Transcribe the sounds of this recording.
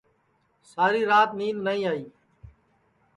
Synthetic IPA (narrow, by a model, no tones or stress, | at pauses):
saːɾiːɾaːt̪niːnnaːĩːaːiː